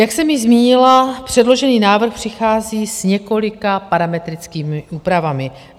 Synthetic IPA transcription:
jaksɛmɪzmiːɲɪlapr̝̥ɛdlo̞ʒɛniːnaːvr̩xpr̥ɪxaːziːsɲɛko̞lɪkapaɾamɛt̪ɾɪt͡skiːmɪʔuːpɾavamɪ

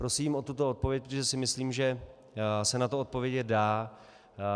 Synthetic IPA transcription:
pɾo̞siːmʔo̞t̪ut̪oot̪̚po̞vjɛc̚pɾot̪oʒɛsɪmɪsliːmʒɛ | sɛnat̪oot̪̚po̞vjɛɟɛdaː

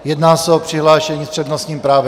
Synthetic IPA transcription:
jɛd̪naːsɛopr̥iɦlaːʃɛɲiːpr̥ɛd̪nost̪ɲiːmpɾaːvɛ

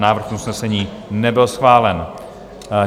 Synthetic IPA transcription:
naːvr̩xusnɛsɛɲiː | nɛbɪlsxvaːlɛn

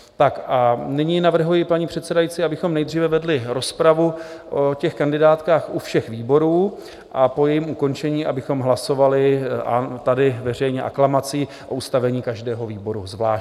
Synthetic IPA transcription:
t̪akʔanɪɲiːnavr̩ɦujɪpaɲiːpr̝̥ɛt̪sɛdajit͡sɪabɪxo̞mnɛjdriːvɛvɛdlɪɾo̞spɾavuʔocɛxkandɪdaːt̪kaːxʔufʃɛxviːbo̞ɾuː | ʔapo̞jɛjimuko̞nt͡ʃɛɲiːabɪxo̞mɦlaso̞valɪʔat̪adɪvɛr̝ɛjɲɛʔa̰klamat͡siː | ʔo̞ust̪avɛɲiːkaʒdɛːɦo̞viːbo̞ɾṵzvlaːʃ

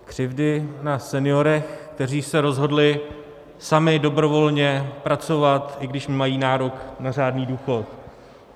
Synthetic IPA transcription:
kr̝̥ɪvdɪnasɛnɪjo̞ɾɛxkt̪ɛriːsɛɾo̞zɦo̞dlɪ | samɪdo̞bɾo̞vo̞lɲɛpɾat͡so̞vat̪ɪɡdɪʃmɪmajiːnaːɾo̞knar̝aːdniːduːxo̞t̪̚

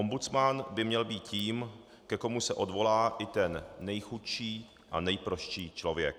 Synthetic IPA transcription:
ombut͡smanbɪmɲɛlbiːt̪ciːm | kɛko̞musɛʔo̞dvo̞laːʔɪt̪ɛnːɛjxut̪ʃiː | ʔa̰nɛjpɾoʃt͡ʃiːt͡ʃlo̞vjɛ̰k̚

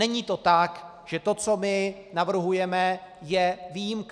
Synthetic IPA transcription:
ɛɲiːt̪o̞t̪ak | ʒ̥ɛt̪o̞t͡so̞mɪnavr̩ɦujɛmɛjɛviːjimk

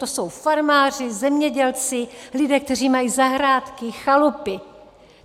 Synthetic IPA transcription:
t̪oso̞wfaɾmaːrɪzɛmɲɛɟɛlt͡sɪlɪdɛːk̚t̪ɛr̝iːmajiːzaɦɾaːt̪kɪxalupɪ

